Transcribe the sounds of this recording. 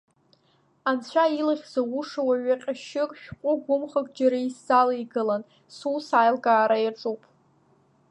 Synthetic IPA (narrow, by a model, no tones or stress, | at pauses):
ant͡ɕʷʰailaχʲz̥awuʂawaɥaqʲʼaʃɪkʼʃᶣqʷʼʊɡʷʊmχakʼd͡ʒaɾaiszaliɡɨlan | susajlɡaːɾajaʈ͡ʂʼupʼ